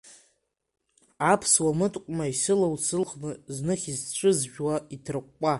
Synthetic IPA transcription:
apʰswamɨtʼqʷʼmaisɨlawsʰɨlχnɨznɨχʲizʈ͡ʂʷʰʼɨzʒᶣwaitʰrɨqʷːʼa

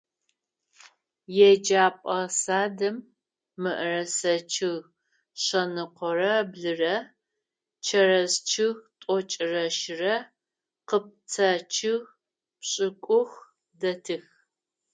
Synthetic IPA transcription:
jɛd͡ʒaːpʼɐsaːdɐmː | ɨʔərɐsɐt͡ʃʰɪɣ | ɕɐnɨqʷɔrɐbɮɨrɐ | t͡ʃʰɐɾɐzt͡ʃʰɪɣtʼɔt͡ʃʼɪrɐʃrɐ | qəp̚t͡sʰat͡ʃʰɪɣ | pɕʼɪkʷʼʊx | dɐtʰɨx

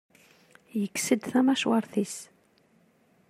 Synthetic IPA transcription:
jəkːsəd̪θæmæʃwɑɾˤθis

